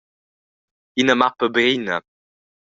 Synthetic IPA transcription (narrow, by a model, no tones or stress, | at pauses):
inəmaʁpəbʁinə